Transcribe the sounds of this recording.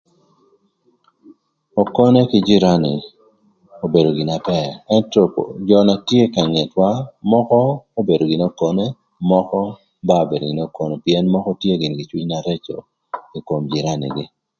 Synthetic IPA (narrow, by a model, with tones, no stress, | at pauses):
o˨kɔ˦ne˦kɪ˦d͡ʒɪ˦ɾa˦nɪ̰˨ | o˨be˨do˨ɡɪ˨na˨pɛ˦˨ɛ˦ntɔ˨d͡ʒɔ˨na˨tje˦ka˨ŋɛ˨twa˦mɔ˦kɔ˦o˦be˨do˨ɡɪ˨no˦kɔ˦ne˦ | mɔ˦kɔ˦ | ba˦o˨be˨do˨ɡɪ˨no˦kɔ˦ne˨pijɛ˦nmɔ˦kɔ˦tje˦ɡɪ˨nɡɪ˨t͡ʃwi˦ɲna˨ɾe˦t͡ʃo̰˨ | i˨ko˨md͡ʒɪ˨ɾa˦nɪ̰˨ɡɪ˦